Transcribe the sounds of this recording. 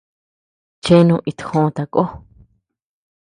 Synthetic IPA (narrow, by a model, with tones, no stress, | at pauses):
t͡ʃe˦nũ˧ʔi˧t̪hõ˦˧t̪a˧ko˦